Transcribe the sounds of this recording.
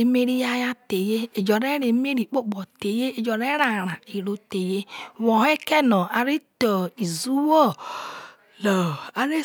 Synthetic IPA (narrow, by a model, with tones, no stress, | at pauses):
e˨me˦ɾi˦ja˦ja˦te˨je˦e˨d͡ʒɔ˨ɾe˦ɾe˨˦me˦ɾi˨k͡po˦k͡pɔ˨te˨je˦e˨d͡ʒɔ˨ɾe˦ɾa˨ɾa˨i˨ɾo˦te˨je˦wɔ˨he˦ke˦no˨a˨ɾi˦to˨i˨zu˦wo˦ | lo˨a˨ɾe˦